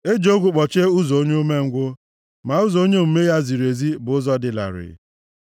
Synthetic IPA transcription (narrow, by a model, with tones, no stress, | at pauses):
e˦d͡ʒo˦ɡʷʊ˦k͡pɔ˨t͡ʃe˦u˦zo˨o˦ɲe˦o˦me˦ŋ̩˦ɡʷʊ˦ | ma˨u˦zɔ˨˦o˦ɲe˦m̩˨me˦ja˦zi˨ɾe˨zi˦bʊ˨ʊ˦zɔ˦dɪ˨la̰˨ɾɪ̰˨